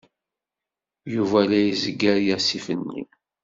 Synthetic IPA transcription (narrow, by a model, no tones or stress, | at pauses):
juvælæjəzəɡːæɾjæsifənːḭ